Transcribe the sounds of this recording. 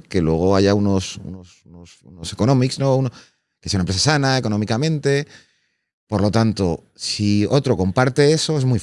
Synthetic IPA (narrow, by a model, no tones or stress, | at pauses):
ke̞lwe̞ɣ̞o̞aʝauno̞sṵnosunosṵnose̞ko̞nõ̞miksno̞uno | kesaunampɾes̬asanaeko̞nõ̞mikamẽ̞nt̪e̞ | po̞ɾlo̞t̪ant̪o̞ | sio̞t̪ɾo̞ko̞mpaɾt̪e̞e̞so̞e̞zmuj